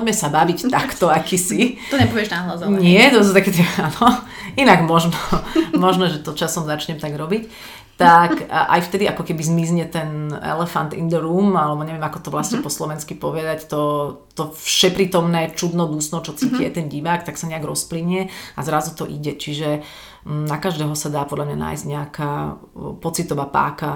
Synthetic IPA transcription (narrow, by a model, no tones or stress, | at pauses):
ɔɟmɛsabaʋict̪akt̪ɔakisit̪ɔɲɛpɔʋɪɛʒnaɦlazɔɲɪɛt̪ɔsɔt̪akɛt̪ɛanɔ | inaɡmɔʒnɔmɔʒnɔʒɛt̪ɔt͡ʃasɔmzat͡ʃɲɛmt̪aɡɾɔbic | t̪akʔa̰jft̪ɛd̪iakɔkɛbizmizɲɛt̪ɛnɛ̰lɛfa̰nt̪ḭnd̪ɛɾuːmalɛbɔɲɛʋɪɛmakɔt̪ɔʋlasɲɛpɔslɔʋɛnskipɔʋɛd̪act̪ɔt̪ɔfʃɛpɾiːt̪ɔmnɛːt͡ʃud̪nɔd̪usnɔt͡ʃɔt͡siciɛt̪ɛnɟiʋaːkt̪aksaɲɛaɡɾɔspliɲɛazɾazut̪ɔʔiɟɛt͡ʃiʒɛ | nakaʒd̪ɛːɦɔsad̪aːpɔd̪lʎamɲana̰ːjzɟɲɛakaː | pɔt͡sit̪ɔʋapa̰ːka